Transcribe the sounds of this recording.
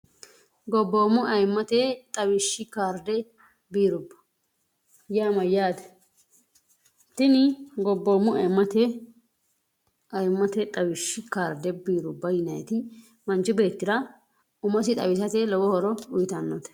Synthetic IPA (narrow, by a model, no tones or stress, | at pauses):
ɡɔbːo̞ːmːʊʔɐjmːɐt̪et̪ʼɐwɪʃːɪkaːɾd̪ɛ | biːɾʊbːɐ̥ | jaːmɐjaːd̪ɐ | t̪ɪnɪɡɔbːo̞ːmːʊɐjmːɐt̪ɛ | ʔɐjmːɐt̪ɛt̪ʼɐwɪʃːɪkaːɾd̪ɛbiːɾʊbːɐjɪnɐjt̪ɪ | mɐnt͡ʃɪbe̞ːt̪ːɪd̪ɐ | ʊmɐsɪt̪ʼɐ̰wɪsɐt̪elɔwɔhɔɾɔʊjt̪ɐnːɔt̪ɛ̥